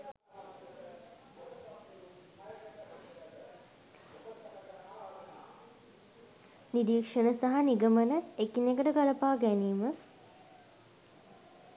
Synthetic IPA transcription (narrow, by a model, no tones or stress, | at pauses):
niɾiːkʂənəsaɦaniɡəmənəekinekəʈəɡaləpaːɡæniːmə